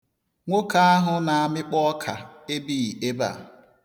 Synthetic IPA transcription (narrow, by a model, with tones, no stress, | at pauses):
ŋʷo˦ka˦a˦ɦʊ˦na˨a˨mɪ˦k͡pɔ˦kʰa˨e˦bi˦˨i˨e˦ba̰˦˨